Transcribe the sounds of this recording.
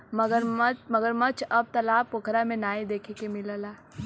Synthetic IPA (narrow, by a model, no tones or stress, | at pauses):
mɐɡəɾmɐɡəɾmɐt͡ʃʰɐb̚t̪ɐlaːbpoːkɾamẽnaːid̪eːkʰekemɪləlaː